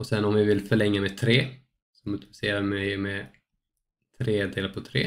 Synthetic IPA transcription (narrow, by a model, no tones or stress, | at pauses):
ɔsɛnɔmɪvɪlfœɭɛŋːamɛt̪ʰɾeː | sɔmʊt̪ɪlɪ̥seːɾamɛjmɛ | t̪ʰɾeːd̪eːlaɾpʰɔt̪ʰɾḛː